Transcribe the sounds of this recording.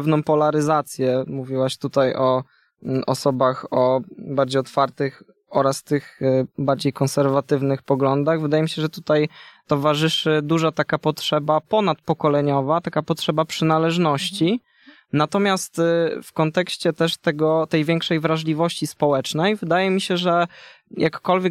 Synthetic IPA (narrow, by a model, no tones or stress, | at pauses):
ɛvnɔ̃w̃pɔlaɾɘzat̪sʲjɛmuvʲiwaɕt̪ut̪ajʔɔ | ʔɔ̰sɔbaxɔbaɾd͡ʑejɔt̪faɾt̪ɘx | ɔɾast̪ɘxbaɾd͡ʑejkɔnsɛɾvat̪ɘvnɘxpɔɡlɔnd̪aɣvɘd̪ajɛmiɕɛʐɛt̪ut̪ajt̪ɔvaʐɘʂɘd̪uʐat̪akapɔtʂɛbapɔnat̪̚pɔkɔlɛɲɔvat̪akapɔt̪ʂɛbapʂɘnalɛʐnɔɕt͡ɕi | nat̪ɔmʲjast̪fkɔnt̪ɛkɕt͡ɕɛt̪ɛʂt̪ɛɡɔt̪ɛjvʲjɛŋkʂɛjvɾaʐlʲivɔɕt͡ɕispɔwɛt͡ʂnɛjvɘd̪ajɛmʲiɕɛʐɛjʔakːɔlvʲjɛ